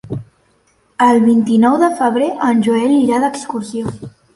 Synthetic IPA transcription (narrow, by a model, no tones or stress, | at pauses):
əlˠβint̪inɔwðəfəβ̞ɾeʔənʲʒuɛliɾaðəkskursio